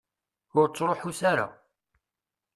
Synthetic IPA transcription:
ʊɾt͡sːɾˤoħusaɾa̰

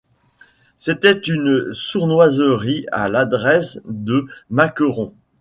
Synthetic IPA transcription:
set̪ɛt̪ynsuʁnwazəʁia̰lad̪ʁɛsd̪əmakəʁɔ̃

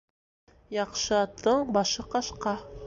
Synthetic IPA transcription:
jɑqʃɤɑt̪ʰːɤɴbɑʃɤqɑʃqɑ

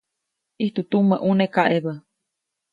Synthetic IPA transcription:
iht̪ut̪uməʔunekaʔeβə

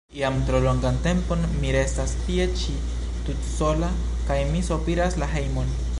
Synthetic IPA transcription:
iamtɾo̞lo̞ŋɡante̞mpo̞nmiɾe̞stastie̞t͡ʃi | tutso̞la | kajmisopiɾaslaɦe̞jmo̞n

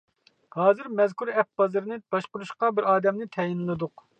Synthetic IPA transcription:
hɑːzɨɾmɛzkʰuɾɛp̚bɑzɨɾnɨb̥ɑʃqʊɾuʃqɑbɪɾɑːd̪ɛmnɪt̪ʰɛjinlˠɨd̪ʊq

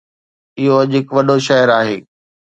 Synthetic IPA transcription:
ɪɦoɐʄɦɪkʋɐɗoʃɐɦəɾaːɦeː

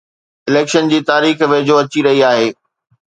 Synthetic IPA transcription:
ɪleːkʃənd͡ʑiːt̪aːɾiːxʋeːɪd͡ʑoɐt͡ɕiɾɐɦiaːɦeː

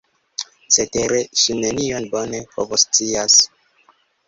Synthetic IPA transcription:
t͡seteɾeʃinenio̞nbo̞nepʰo̰vost͡sias

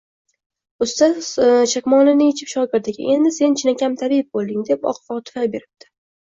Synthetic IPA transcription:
ʊst̪aʃakʲmɒlɪnɪet͡ʃʰɪ̥pʃɒɡʲɪɾd̪aɡʲɪ̰ʔe̞nd̪ɪse̞nt͡ʃʰɪnakʲʰamt̪ʰabɪp̚bolˠd̪ɪŋd̪e̞pɒ̰qfɒt̪ʰɪ̥fabe̞ɾɪp̚t̪ʰɪ̥

